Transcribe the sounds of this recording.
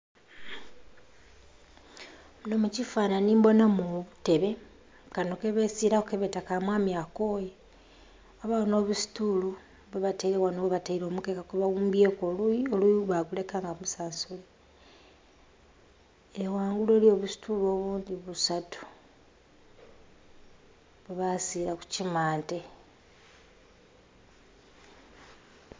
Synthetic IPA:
munomucifaːnanimbo̞namuβute̞βe̞ | kanokeβesiɾakukeβetakamwaːmjako̞ːje | aβaono̞ːβusi̥tulu | βeβataiɾewanoβataiɾo̞ːmukekakoβawuːmbjekololuiβaɡule̞kaːŋɡamusaːnsule | ewaːŋɡulolio̞βusi̥tuloβuːndiβusatʰu̥ | βeβasiɾaku̥cimaːnte

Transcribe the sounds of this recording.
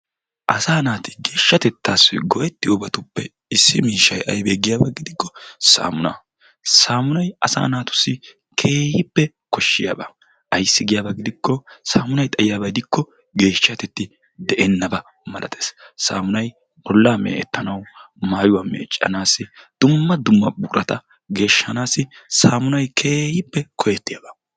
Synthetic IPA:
ʔɐsaːnaːt̪ɪ̥ɡe̞ːʃːɐt̪ɛt̪ːaːsɪɡɔʔɛt̪ːɪʊbɐt̪ʊpːɛ | ɪsːɪmiːʃɐjʔɐ̰jbeːɡɪjaːbɐɡɪd̪ɪkːɔsa̰ːmʊnɐ̰ː | saːmʊnɐjɐsa̰ːnaːt̪ʊ̥sːɪ | kʰe̞ːhɪpːɛ | kɔʃːɪja̰ːbɐ | ʔɐjsːɪɡɪjaːbɐɡɪd̪ɪkːɔsaːmʊnɐjt̪ʼɐjɪjaːbɐjd̪ɪkːɔ | ɡe̞ːʃːat̪ɛt̪ːɪ | d̪ɛʔɛnːɐbɐ | mɐlʔɐ̰t̪ʰʼe̥ːssa̰ːmʊnɐj | ɔlːaːmḛːʔɛ̰t̪ːɐnɐw | maːjʊwɐːmḛːt͡ʃʼːɐ̰naːsɪd̪̥ʊmːɐd̪ʊmːɐbʊːɾɐt̪ɐ | ɡe̞ːʃːɐnaːsɪsaːmʊnɐjkʰe̞ːhɪpːɛkʰɔjɛt̪ːɪjaːbɐ̥

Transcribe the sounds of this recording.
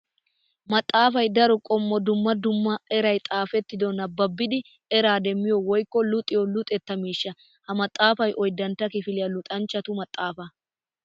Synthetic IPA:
mɐt̪ʼːaːfɐjd̪ɐɾɔkʼɔmːɔd̪ʊmːɐd̪ʊmːɐɛɾɐjt̪ʼaːfɛt̪ːɪd̪ɔnɐbːɐbːɪd̪ɪ | ɛɾaːd̪ɛmːɪjɔwɔjkːɔlʊt̪ʼɪjɔlʊt̪ʼɛt̪ːɐmiːʃːɐ | hɐmɐt̪ʼːaːfɐjʔɔjd̪ɐnt̪ːɐkɪfɪlɪjɐlʊt̪ʼɐnt͡ʃːɐt̪ʊmɐt̪ʼːaːfɐ

